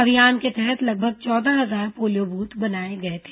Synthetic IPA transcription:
ɐʋijaːnket̪ɛɦɛt̪ʰlɐɡ̚bʱəɡ̚t͡ʃɔːd̪aɦɐzaːɾpoːlijobuːt̪bɐnaːeɡɐet̪ʰe̥ː

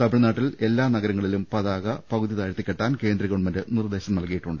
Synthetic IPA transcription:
t̪ɐbiɻɐnaːʈːile̞lːaːnɐɣɐɾɐŋːɐɭilumpɐðaːɣɐpɐɣuðiðaːjɾt̪ːikʲːeʈːaːnke̞ːnd̪ɾɐɣoɳmɐndɨnird̪e̞ːɕɐmnɐlkɐjiʈːuɳɖɨ

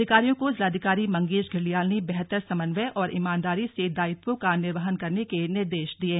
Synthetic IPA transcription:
ɪkaːɾijõkozlaːd̪ʱiɪkaːɾimɐ̃ŋɡeːd͡ʒɡʱɪɾlijaːlnibɛɦt̪əɾsɐmənʋɛʔɔːɾʔɪmãːnd̪aːɾised̪aːɪpõkanɪɾʋaɦənkɐɾnekenɪɾd̪eːʃd̪iẽː

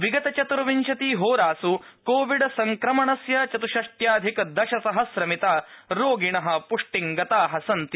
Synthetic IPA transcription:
ʋiɡɐt̪ɐt͡ʃɐt̪ɾɐʋiɲt͡ʃɐt̪iɦoːɾaːsu | koːʋiɖɐsɐŋkɾɐmɐɳɐsjɐt͡ʃɐt̪uʃɐʂʈjaːd̪ʱikɐd̪ɐʃɐsɐɦɐsɾɐmit̪aːɾoːɡiɳɐɦɐ̆puʂʈiŋɡɐt̪aːɦɐsɐnt̪i

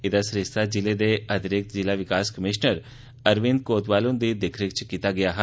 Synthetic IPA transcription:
ɪd̪asɾɪst̪ʰad͡ʒɪled̪eɐd̪ɪɾɪk̚t̪zɪlaʋɪkaːskəmɪʃnəɾ | əɾʋɪ̃nd̪̚koːt̪ʋaːlõnd̪id̪ɪkʰɾɪk̚t͡ʃkiːt̪aɡɪjaːɦɛ

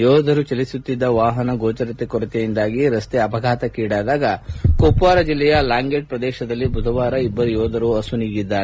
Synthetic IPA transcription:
jɔːd̪ʱɐɾut͡ʃɐlisut̪ːid̪ːɐʋaːɦɐnɐɡoːt͡ʃɐɾɐt̪ːekɔɾut̪ejind̪aːɡiɾɐst̪eɐpɐɡʱaːt̪ɐkiːɽaːd̪aːɡɐkopuʋaːɾɐd͡ʒilːɛjɐlaːŋɡeːʈ̚pɾɐd̪ɛːʃɐd̪ɐlːibʱud̪ʱɐʋaːɾɐibːɐɾujɔːd̪ʱɐɾuɐsuniːɡid̪ːaːɾe

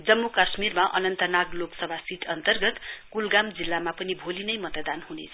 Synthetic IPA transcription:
d͡zʌmːukasmirmaʔʌ̰nʌnt̪ʌnaɡloksʌbʱasiʈʰʌnt̪ʌrɡʌt̪kulɡamd͡zilːamapʌnibʱolinʌjmʌt̪d̪anhunḛt͡sʰʌ̥

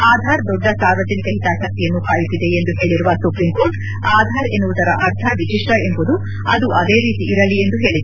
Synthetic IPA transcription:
aːd̪ʱaːɾd̪ɔɖːɐsaːɾʋɐd͡ʒɐnikɐɦit̪aːʃɐk̚t̪ijɐnːukaːjisid̪e̞end̪uɦe̞ːɭiɾuʋɐsupɾimko̞ːɾʈ | aːd̪ʱaːɾe̞nːuʋud̪ɐɾɐʔɐɾt̪ʰɐʋit͡ʃiʂʈɐe̞mbud̪u | ɐ̰d̪uʔɐd̪e̞ːɾiːt̪iʔːɾɐlie̞nd̪uɦe̞ːɭid̪e

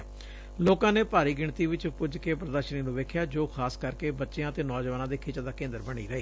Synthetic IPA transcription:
loːkãːneːpaːɾiːɡɪɳt̪iːʋɪt͡ʃpʊd͡ʒkeːpɾəd̪əɾʃəniːnũːʋeːkʰjaːd͡ʒoːkʰaːskəɾkeːbətːʃejãːət̪eːnɔːd͡ʒʋaːnãːd̪eːkʰeːt͡ʃãd̪aːkẽːnd̪əɾbəɽ̃ḭːɾəeː

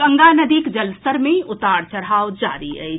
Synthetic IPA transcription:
əŋɡanəd̪ikd͡ʒəlst̪əɾmeʊt̪aɽt͡ʃəɾɦaʋd͡ʒa̰ɾḭə̰j

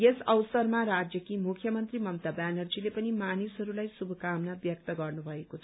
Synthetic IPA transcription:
jesʌwsʌrmaɾad͡zjʌkimukʰjʌmʌnt̪rimʌmt̪abanʌrd͡zilepʌnimanisɦʌɾulajsubʱʌkamnabjʌk̚t̪ʌɡʌrnubʱʌekot͡sʰʌ̥

